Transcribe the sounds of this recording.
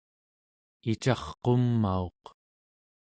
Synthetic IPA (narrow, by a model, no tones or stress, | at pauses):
it͡ʃɑχqo̞mːao̞q